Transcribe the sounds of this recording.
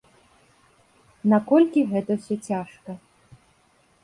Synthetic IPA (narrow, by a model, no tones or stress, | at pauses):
nakɔlʲkʲiɣɛt̪ɐwsʲɔt͡sʲaʂkɐ